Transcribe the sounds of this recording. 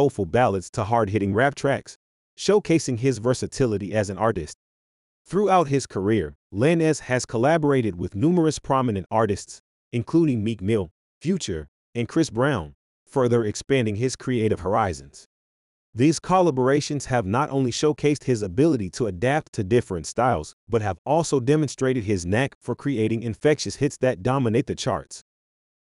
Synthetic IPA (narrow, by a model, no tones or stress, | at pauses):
oʊfl̩ˠbælˠədstʰəɦɑɹd̚ɦɪɾɪ̃ŋɹæp̚tʰɹ̥æks | ʃoʊkʰeɪsɪ̃ŋɪzvɜ˞sɨtʰɪlˠəɾiʔɨzɨ̃nɑɹɾɨst̪̚ | θɹuaʊt̚ɦɪz̥kʰə˞ɪɹlɛ̃nɛz̥ɨz̥kʰəlæbə˞eɪɾɨd̚wɨðnumə˞ɨspʰɹ̥ɑmɨnɨ̃ntɑɹɾɨsts | ɨ̃nkʰl̥uɾɪ̃ŋmik̚mɪlˠ | fjʉt͡ʃə˞ | ɨ̃nkʰɹ̥ɪsb̥ɹãʊ̃n | fɜ˞ðə˞ɨkspæ̃ndɪ̃ŋɪz̥kʰɹ̥ieɪɾɨv̥hə˞aɪzɨ̃nz̥ | ðiz̥kʰəlˠəbə˞eɪʃɨ̃nz̥ɨvnəɾʔõ̰ʊ̃nliʃoʊkʰeɪst̚hɨzɨbɪlˠəɾiɾəːdæp̚tʰɨdɪfɹɨ̃ntstaɪlˠz̥b̥ʌt̚ɦɨvɔlˠsoʊdɛmɨ̃nstɹ̥eɪɾɨd̚ɪznɛkfə˞kʰɹ̥ieɪɾɪ̃ŋɨ̃ɱfɛkʃɨshɪtsðɨt̚d̥ɑməneɪt̪̚ðɨt͡ʃʰɑ̰ɹts